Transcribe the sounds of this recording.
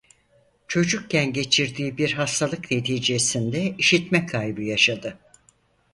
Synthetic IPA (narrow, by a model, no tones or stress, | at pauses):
t͡ʃʰo̞d͡ʒuk̚cænɟe̞t͡ʃʰiɾd̪iːbiɾɦast̪ʰalˠɯkne̞t̪ʰiːd͡ʒe̞sind̪ɛiʃit̪mɛkʰajbɯjaʃad̪ɯ